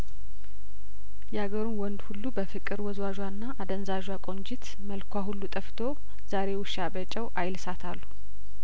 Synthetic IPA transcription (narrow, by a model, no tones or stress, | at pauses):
jɛhaɡəɾunwɔnd̪hulːubəfɨkʼːɨɾwɔzwaʒwanːaʔːd̪ənzaʒwakʼo̞nd͡ʒɪt̪ | məlkʰʷaɦulːut̪ʼəft̪ʰo | z̥aɾe̞wʊʃabət͡ʃʼːɛwʔajlsat̪ʰalːu